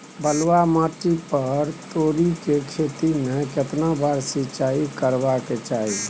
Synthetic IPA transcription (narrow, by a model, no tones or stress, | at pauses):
bəlwamaʈipəɾt̪oɾikekʰet̪imeket̪nabaɾsit͡ʃaikəɾbaket͡ʃaɦi